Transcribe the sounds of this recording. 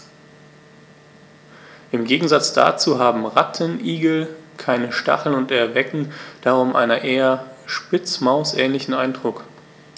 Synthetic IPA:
ʔɪmɡeːɡŋ̩zat͡sd̥a̰ːt͡suːɦaːbm̩ʁatʰənʔiːɡl̩kʰaɪnəʃta̰χl̩nʊntɛɐvɛkŋ̩d̥aːʁʊmʔa̰ɪnɐʔeːɐʃpɪt͡smaʊsʔɛːnlɪçn̩ʔaɪndʁʊk

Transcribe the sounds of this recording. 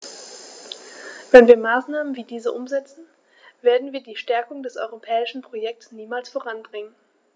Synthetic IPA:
v̥ɛnviːɐmaːsnaːmənviːdiːzəʔʊmzɛt͡sn̩ | v̥eːɐdn̩viːɐdiːʃtɛɐkʊŋdɛsʔɔ̰ʏʁopʰɛːɪʃn̩pʁ̥ojɛk̚tsniːmaːlsfoʁ̞anbʁɪŋən

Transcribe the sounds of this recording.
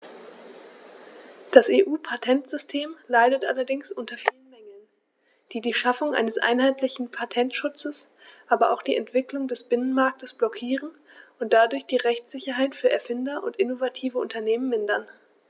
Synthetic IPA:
d̥aseːʔuːpʰatʰɛntz̥ʏstʰeːmlaɪdətʔa̰lɐdɪŋsʔʊntɐfiːlənmɛŋl̩n | d̥iːdiːʃafʊŋʔa̰ɪnəsʔa̰ɪnɦaɪtlɪçn̩pʰatʰɛntʃʊt͡səs | ʔaːbɐʔa̰ʊxd̥iːɛntv̥ɪklʊŋdɛsb̥ɪnənmaɐk̚təsb̥lɔkʰiːʁən | ʊnt̚d̥adʊɐçd̥iːʁɛçt͡sz̥ɪçɐɦaɪtfyːɐɛɐfɪndɐʔʊ̰ntʔɪnovatʰiːvəʔʊntɐneːmənmɪndɐn

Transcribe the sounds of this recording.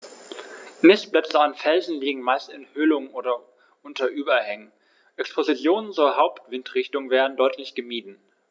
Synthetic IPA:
mɪsb̥lɛt͡səanfɛlzn̩liːɡŋ̩maɪstɪnhʏlʊŋʔoːdɐ | ʔʊntʰɐʔyːbɐhɛŋən | ʔɛkspʰozit͡sjoːnənt͡suːɐɦaʊptv̥ɪntʁ̥ɪçtʊŋvɛːʁn̩dɔʏtʰlɪçɡ̥əmiːdn̩

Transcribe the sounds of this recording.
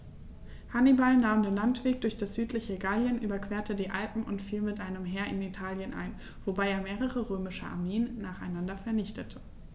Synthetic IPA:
hanibalnaːmdeːnlantv̥eːk̚d̥ʊɐçd̥asz̥yːtʰlɪçəɡaljənʔyːbɐkv̥eːɐtədiːʔalpm̩ʔʊntfiːlmɪtʔaɪnəmɦɛːɐʔɪnitʰaːljənʔa̰ɪn | v̥obaɪeːɐmeːʁəʁəʁøːmɪʃəʔa̰ɐmeːənːaːχaɪnandɐfɛɐnɪçtʰətʰə̥

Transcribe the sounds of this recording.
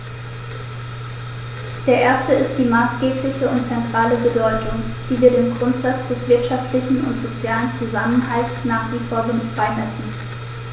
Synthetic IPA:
d̥eːɐʔeːɐstəɪstd̥iːmaːsɡ̥eːplɪçəʊntt͡sɛntʁ̥aːləbədɔʏtʰʊŋd̥iːviːɐdeːmɡʁʊntz̥at͡sd̥ɛsv̥ɪɐtʃaftlɪçn̩ʊ̰ntz̥ot͡sjaːlənt͡suzaməna̰lsnaːχv̥iːfoːɐʁɪnfʁ̥aɪnɛsn̩

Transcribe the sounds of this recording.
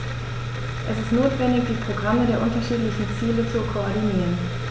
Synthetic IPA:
ʔɛsɪstnoːtv̥ɛndɪçd̥iːpʁ̥oɡʁamədeːɐʔʊntɐʃiːtlɪçn̩t͡siːlət͡sukʰoɔɐdiniːʁən

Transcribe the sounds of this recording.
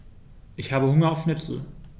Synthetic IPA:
ʔɪçhaːbəhʊŋɐaʊfʃnɪpt͡sl̩

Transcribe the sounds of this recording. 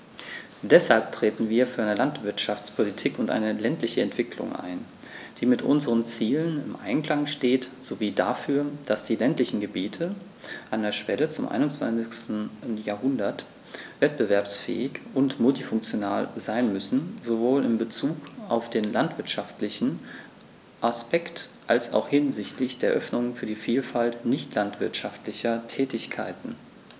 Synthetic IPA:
d̥ɛshalp̚tʁ̥eːtn̩viːɐfyːɐʔaɪnəlantv̥ɪɐtʃaft͡spʰolitʰiːkʊntʔa̰ɪnəlɛntlɪçəɛntv̥ɪkʰlʊ̰ŋʔa̰ɪn | d̥iːmɪtʔʊ̰nzəʁənt͡siːlənɪmʔa̰ɪnkl̥aŋʃteːtz̥oviːdafyːɐd̥asd̥iːlɛntlɪçn̩ɡəbiːtʰə | ʔandeɐʃv̥ɛlət͡sʊmʔa̰ɪnʊnt͡sv̥a̰nt͡sɪçstn̩n̩jaːɐɦʊndɐt | vɛt̚b̥əvɛɐpsfɛ̰ːɪçʔʊntmʊltifʊŋk̚t͡sjona̰ːlzaɪnmʏsn̩zovoːlɪmbət͡suːkaʊfd̥eːnlantv̥ɪɐtʃaftlɪçn̩ | ʔaspɛktʔalsa̰ʊxhɪnzɪçtʰlɪçd̥eːɐʔœfnʊŋfyːɐdiːfiːlfaltnɪçtʰlantv̥ɪɐtʃaftlɪçɐtʰɛːtɪçkʰa̰ɪtn̩

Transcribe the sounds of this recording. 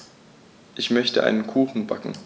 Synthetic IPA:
ʔɪçmœçtəʔa̰ɪnənkʰuːxn̩bakŋ̩

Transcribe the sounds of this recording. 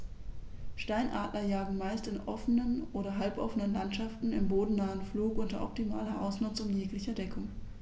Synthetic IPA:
ʃtaɪnʔa̰ːtlɐjaːɡŋ̩maɪstɪnʔɔfənənʔoːɾɐɦalpʔɔfənənlantʃaftn̩ɪ̰mboːdn̩naːənfluːkʔʊntɐʔɔ̰p̚timaːlɐʔa̰ʊsnʊt͡sʊmjeːklɪçɐdɛkʰʊŋ

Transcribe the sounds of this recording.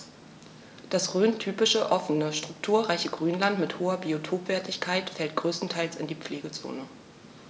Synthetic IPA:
d̥asʁøːntʰyːpɪʃəʔɔfənəʃtʁ̥ʊk̚tʰuːɐʁaɪçəɡʁyːnlantmɪthoːɐbiotʰoːpv̥ɛɐtɪçkʰaɪtfɛlt̚ɡ̥ʁøːstn̩tʰaɪlsa̰ndiːp͡fleːɡət͡so̰ːnə

